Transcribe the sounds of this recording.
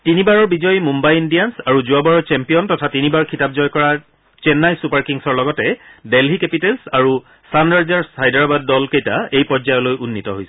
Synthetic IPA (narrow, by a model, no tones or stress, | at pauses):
tinibaɹɔɹbizɔjmumbajindijansaɹuzuabaɹɔɹt͡ʃɛmpijɔntɔtʰatinibaɹkʰitap̚zɔjkɔɹa | t͡ʃɛnːajsupaɹkiŋsɔɹlɔɡɔtɛdelɦikepitelsaɹu | sandaɹzaɹshajdaɹabadːɔlkejtaejpɔzajɔlojʔunːitɔɦojsɛ̥